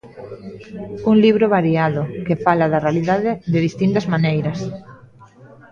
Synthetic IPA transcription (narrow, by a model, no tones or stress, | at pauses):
uŋliβ̞ɾoβaɾiaðokefalaðarealiðaðeðeðist̪int̪azmanejɾas